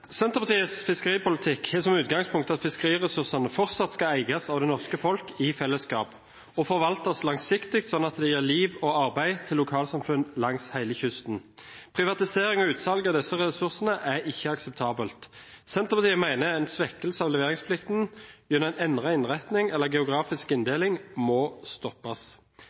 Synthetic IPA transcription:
sɛnt̪əpʰɑt̪iːəsfɪskəʁiːpʊlɪt̪ʰɪkhɛsɔmʉːt̪ɡɑŋspʰʊŋkt̪ɑt̪fɪskəʁiːʁɛsʉʁsɑnəfɔʁt̪sɑt̪skɑæɪɡɑsɑːʋd̪ɛnɔʁskəfɔlkɪfɛlːəskɑːp | ɔfɔɾʋɑlt̪ɑslɑŋsɪkt̪ɪk̚t̪sɔnːɑt̪d̪ɛjøːʁliːʋoːɑʁbæɪt̪ʰɪlːʊkʰɑːlsɑmfʉnlɑŋshæɪləçʏst̪n̩pʰʁɪʋɑt̪ɪseːɾɪŋɔʉːt̪sɑlɡɑd̪ɛsːəʁɛsʉʁsnəʔæɾɪçːəɑksɛpt̪ʰɑːbəlt̪sɛnt̪ʁəpɑt̪iːmæɪnəæɪnsʋɛkːəl̩səɑʋlɛʋeːʁɪŋspʰlɪkt̪n̩ɡʉnɛɪnɛnʁɑɪnʁæt̪nɪŋɛlːəɡɛʊɡʁɑːfɪskɪnd̪eːlɪŋmɔst̪ɔpːɑs

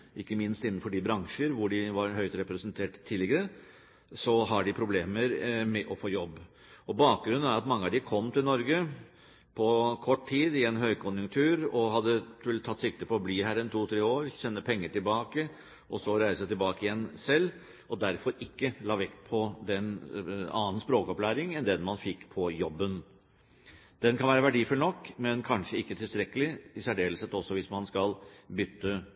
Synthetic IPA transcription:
ʔɪkːəmɪnst̪ɪnːən̩fɔɖɪbɾɑŋʂəɾʋʊɖɪʋɑɾɦœʏt̪ɾɛpɾɛsənt̪ʰeːʈt̪ʰːɪːlːɪɡəɾə | sɔɦɑɖɪpʰɾʊbleːməɾmɛʔɔfoːjɔbː | ɔbɑːk̚ɡɾʉnːənæɾɑt̪mɑŋːəɑʋd̪ɪkʰɔmːt̪ʰɪlnɔɾɡə | pʰɔkʰɔʈːtʰiːd̪ɪɛnɦœʏkʰʊnjʉŋkt̪ʰʉːɾɔɦɑd̪ːəlt̪ʰɑt̪ːsɪk̚t̪əpʰɔːbliːhæːɾɛnt̪ʰuːt̪ʰɾeːoːɾçɛnːəpʰɛŋːəʈɪlbɑːkə | ʔɔsɔɾæɪsət̪ʰɪlbɑːkəɪjɛnːsɛlː | ɔd̪æɾfɔɾɪkːəlɑːʋɛkt̪pʰɔd̪ɛnɑːn̩spɾoːkɔplæːɾɪŋɛnd̪ɛnmɑnfɪkːpʰɔjɔbːən | d̪̥ɛnkʰɑnʋæːɾəʋæɖiːfʉlnɔkːmɛnkʰɑnʂəɪkːət̪ʰɪlst̪ɾɛkəlɪɪsæɖeːləsɛt̪ːɔsɔʋɪsmɑnskɑlbʏt̪ːə

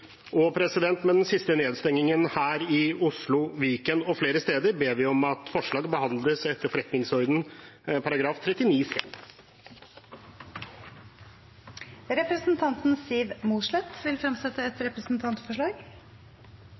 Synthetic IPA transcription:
ɔpʰɾɛsɪd̪ɛnt̪mɛd̪ɛnsɪst̪əneːd̪st̪ɛŋːɪŋənhæːɾɪʊslʊʋiːkənɔfleːɾəst̪eːd̪əɾbeːʋɪɔmɑt̪fɔʂɭɑːɡəbəhɑnd̪ləsɛt̪ʰːəɾfɔɾɛt̪nɪŋshɔɾd̪n̩pʰɑɾɑɡɾɑːft̪ʰɾɛt̪ːɪniːsɛ̰n | ɾɛpɾəsn̩t̪ʰɑnt̪n̩siːʋmuːʂɭɛt̪ʋɪlfɾɛmsɛt̪ːəɛt̪ɾɛpɾəsn̩t̪ʰɑnt̪fɔʂɭɑːɡ

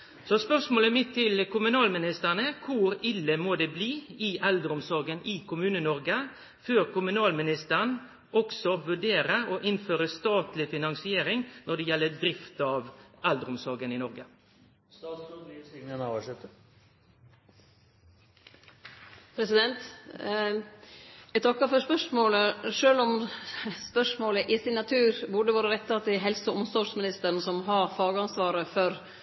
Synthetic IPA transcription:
sɔspœʁʂmoːləmɪt̪ʰːɪlkʊmʉnɑːlmɪnɪst̪əʁɳəkʰʊɾɪlːəmoːd̪eːbliːɪʔæld̪əɾʊmsɔɾɡənʔɪkʰʊmʉːnənɔɾɡə | føːɾkʊmʉnɑːlmɪnɪst̪əɳ | ʔɔɡsɔʋʉɖeːɾəoːʔɪnføːɾəst̪ɑːt̪lɪfɪnɑŋsɪeːɾɪŋnɔɖ̪ɛjɛlːəd̪ɾɪft̪ɑʋæld̪əɾʊmsɔɾɡənɪnɔɾɡə | st̪ɑːt̪sulisɪnənɑʋɑʂɛt̪ːə | pʰɾɛsɪd̪ɛnt̪ | jæt̪ʰɑkːəfɔspœʂmoːləʂøːlɔmspœʂmoːləʔɪsɪnɑt̪ʰʉːɾbʉɖəʋɑːɾəɾɛt̪ʰːɑt̪ːɪɦɛlsɔʊmsɔʂmɪnɪst̪əɾn̩sɔmɦɑɾfɑːɡəɑnsʋɑːɾəfɔɾ

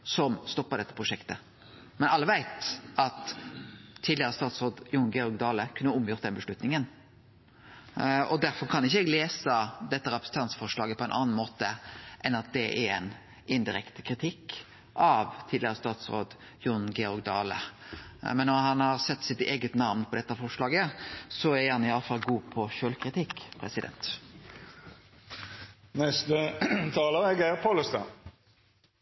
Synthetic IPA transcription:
sɔmst̪ɔpːəɾd̪ɛt̪ːəpʰʁʊʂɛkt̪ə | mɛnɑlːəʋæɪt̪ɑt̪ʰː | iːd̪lɪəɾəst̪ɑːt̪sɾoːd̪jʊnɡɛɔɾɡd̪ɑːləkʰʉnːəʊmjʊɾt̪d̪ɛnbəʂlʉt̪nɪŋən | ɔ̰d̪æɾfɔɾkʰɑnɪçːəɛɡleːsəd̪ɛt̪ːəɾɛpɾəsn̩t̪ʰɑnt̪sfɔʂlɑːɡəpʰɔɛnʔɑ̰nnmoːt̪əʔɛnɑt̪̚d̪ɛʔæɾɛn | ʔɪnd̪ɪɾɛkt̪ə̥kʰɾɪt̪ʰɪkː | ʔɑʋt̪ʰiːd̪lɪʁəst̪ɑːt̪sʁo̰ːd̪ | jʊnɡɛɔɾɡd̪ɑːlə̰ | mɛnːɔɾhɑnhɑɾsɛt̪ːsɪt̪eːɡət̪nɑʋmnpʰɔd̪ɛt̪ːɑfɔʁʂlɑːɡəsɔæɾhɑnɪɑlːəfɑlɡuːpʰɔʃøːlkʰɾɪt̪ɪkpʰɾɛsɪd̪ɛ̰nt̪ | nɛst̪ət̪ʰɑːləɛɡæʁpʰoləst̪ɑn

